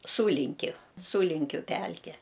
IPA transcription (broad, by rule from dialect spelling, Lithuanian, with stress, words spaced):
ˈsuːlʲɪŋʲkʲʊ ˈsuːlʲɪŋʲkʲʊ ˈpʲælʲkʲɛ